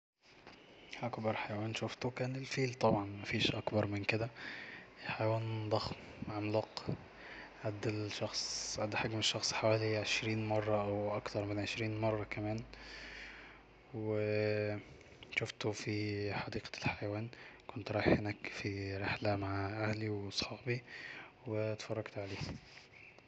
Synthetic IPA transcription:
ʔækbɑɾˤħajæwæːnʃoft̪okæːnelfiːlt̪ˤɑbʕɑnmæfiːʃʔɑkbɑɾˤmɪnked̪æ | ħajæwæːnd̪ˤɑxm | ʕamlɑq | ʕad̪ːelʃɑxsˤʕad̪ːħaɡmeʃːɑxsˤħawæːliʕeʃɾiːnmɑrˤːɑʔæwʔɑkt̪ɑɾˤmenʕeʃɾiːnmɑrˤːɑkæmæːn | we | ʃoft̪ofiħɑd̪iːqlħajæwæːnkont̪ɾˤɑːeħenæːkfiɾeħlæmaʕʔæhliwɑsˤħɑːbi | wet̪fɑrˤːɑɡt̪ʕaleːh

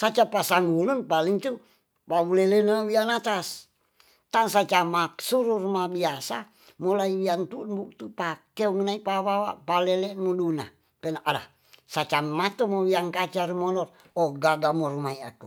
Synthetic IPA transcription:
sat͡ʃapasaŋulənpaliŋt̪u | pawulelenawianat̪as | t̪aŋsat͡ʃamasuɾurumahbiasa | mulaiwiant̪unbukt̪upakkeuŋnaipawawa̰ʔpalɛlɛʔmoduna̰ | pɛnaʔada̰ | sat͡ʃammat̪omowiaŋkat͡ʃaɾimɔnɔt̪ | ɔɡaɡamoɾumaia̰ku

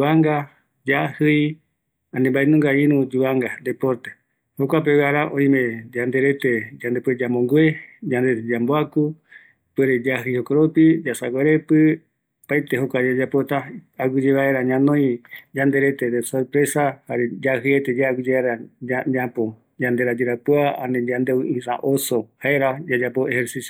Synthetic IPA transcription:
uaŋɡa | d͡ʒahɨj | ãnembaenũŋɡaiɾũd͡ʒuaŋɡad̪epoɾt̪e̥ | hokʷapewaɾaʔõj̃mẽd͡ʒand̪eɾet̪ed͡ʒand̪epweɾed͡ʒamõŋɡwed͡ʒand̪et̪ed͡ʒamboaku | peɾed͡ʒaɦɨjhokoɾopid͡ʒasaɡʷeɾepɨ | pajt̪eɦokʷad͡ʒad͡ʒapot̪a | aɡud͡ʒeβaeɾaɲãnõj̃d͡ʒand̪eɾet̪eɾesoɾpɾesahaɾed͡ʒaɦɨet̪ed͡ʒaɡɨd͡ʒeβaeɾaaapo | d͡ʒand̪eɾad͡ʒeɾapuaa̰nẽd͡ʒãnd̪eĩsa̰ʔosohaeɾad͡ʒad͡ʒapoeheɾsisjo

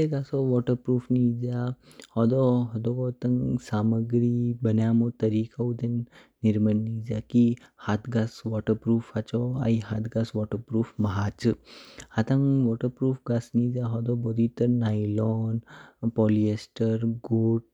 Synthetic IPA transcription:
eɡaːsɔʋɔːʈəɾpɾuːfnid͡ʒa | hɔd̪ɔɦɔd̪oɔt̪ɐŋsaːməɡɾibənjamõt̪əɾiːkaud̪enː | iɾmənːid͡ʒakihat̪ʰɡasʋɔːʈəɾpɾuːfat͡ʃɔa̰iɦat̪ɡasʋɔːʈəɾpɾuːfmɐɦaːt͡ʃɨat̪aŋʋɔʈəɾpɾuːfɡasnid͡ʒaɦɔd̪ɔbɔd̪ʱit̪əɾnailɔːnpɔːliesʈəɾɡoːʈ̚

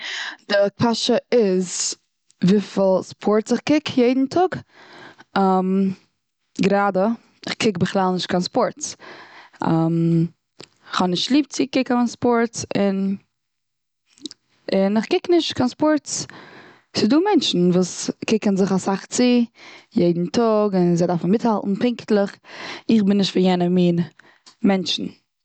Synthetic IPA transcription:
d̥ɪkʰaʃəɪz | viːfɪlˠspʰɔɾtt͡sɪχkɪkjeɪdn̩tʰʊɡ | am | ɡəɾaːdə | ɪχkʰɪkbɪχlˠalˠnɪʃt̚kʰanspɔɾt | am | ɪχhɔnɪʃtlˠiːp̚t͡sɪkɪkanspɔɾtsɪn | ɪnɪχkɪknɪʃt̚kʰanspɔɾts | sɪduːmɛnt͡ʃn̩vuːskɪkənzɪχasaχt͡sɪjeɪdn̩tʰʊɡɪnzeɪdaɾfn̩mɪthalˠtn̩pɪŋktlˠəχɪχbɪnːɪʃtfɪjɛnəmiːn | mɛnt͡ʃn̩

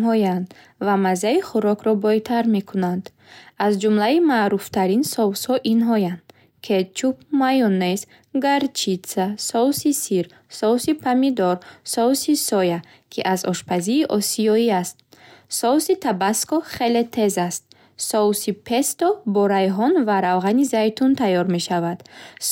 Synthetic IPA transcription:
ɦɔjand̪ | vamazaiχuɾɔkʰɾɔbɔjt̪ʰaɾme̞kʰunand̪ | azd͡ʒumlaimaːɾuft̪ʰaɾinsɔvshɔʔinɦɔjand̪ | kʰet͡ʃupmajɔnes | ɡaɾt͡ʃʰisasɔwsisiɾ | sɔwsipʰamid̪ɔɾsɔusisɔja | kʰiʔazɔʃpʰaziːʔɔsiɔiast̪̚sɔsit̪ʰabaskɔχelet̪ʰe̞zast̪̚ | sɔusipʰe̞st̪ɔbɔɾajɦɔnvaɾavʁanizajt̪ʰunt̪ʰajɔɾme̞ʃavad̪̥

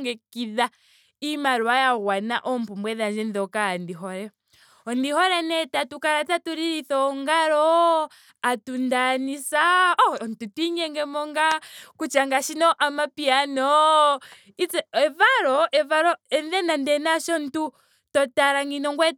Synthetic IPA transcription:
ŋɡɛkiða | imaɾuajaɣwana̰ʔɔm̩pumbwɛðand͡ʒɛnðɔkaandiɦɔɾɛ | ɔndihɔɾɛnɛtatukaɾatatuɾiɾiθɔŋɡaɾɔ | atundanisaɔntutiɲɛŋɡɛmɔŋɡakut͡ʃaŋɡaʃinɔʔamapianɔ | it͡sɛɛvaɾɔʔɛvaɾɔɛnðɛnandɛnaʃɔntu | tɔtaɾaŋɡinɔŋɡwɛ

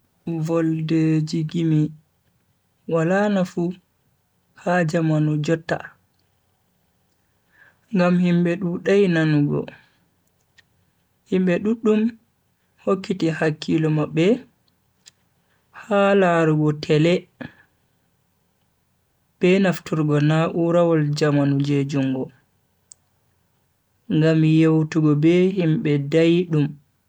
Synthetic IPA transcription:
vɔlded͡ʒiɡimi | walanafu | had͡ʒamanud͡ʒɔtːa̰ | ŋɡamhimɓɛɗuɗajnanuɡɔ̰ | himbɛɗuɗːum | hokːitihakʰːilɔmabːɛ | halaɾuɡɔtʰɛlɛ | b̥ɛnaftuɾɡɔnaʔuɾawɔld͡ʒamanud͡ʒed͡ʒuŋɡɔ | ŋɡamjewtuɡɔbɛhimɓɛdajɗum

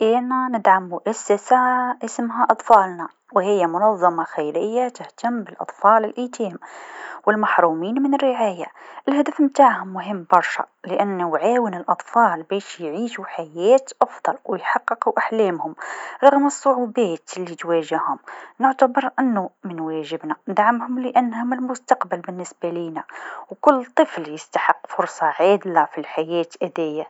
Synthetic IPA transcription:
ʔænænɪd̪ʕamːʊʔasːasaʔɪsmɦaʔɑt̪ˤfɑːlnɑ | whɪjːamʊnɑðˤːɑmɑxejɾɪjːat̪əht̪amːbɪlʔɑ̰t̪ˤfɑːlɪlʔit̪iːmwɪlmɑħɾˤuːmiːnmɪnərːɪʕaːjaʔɪlhæd̪afmt̪aːʕhʊmːʊɦəmːbɑɾˤʃɑ̰ | ləʔanːwʕaːwənɪlʔɑt̪ˤfɑːlbæːʃjʕiːʃuħajæːt̪ʔɑfd̪ˤɑlwɪjħɑqːɨquʔaħlæːmhʊmɾˤɑɣmɨsˤːʊʕubæːt̪lːit̪wæʒahʊmnʊʕt̪abɑɾˤʔɪnːumɪnwæʒɪbnæd̪aʕamhʊmləʔænːhʊmɪlmʊst̪ɑqbalbɪnːɪsbaliːnawkʊlːt̪ˤːɨfljəst̪ḁħəqːfʊɾsˤɑʕaːd̪lafilħajæːt̪ʔæd̪æjːa

